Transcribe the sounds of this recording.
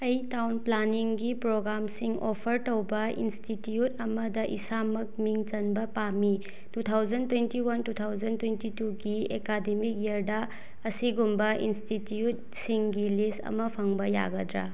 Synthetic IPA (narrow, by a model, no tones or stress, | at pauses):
ɐjtawnplaniŋɡipɾoɡɾamsiŋopʰɐɾtowbɐḭnstitijut̚ɐmɐdɐʔḭsamɐk̚miŋt͡ʃɐnbɐpami | tut̪ʰawd͡ʒɐntwentiwɐntutʰawd͡ʒɐntwentituɡiekademik̚jɐɾdɐ | ɐsiɡumbɐʔḭnstitut̚ | siŋɡilistɐ̰mɐpʰɐŋbɐja̰ɡɐdɾa̰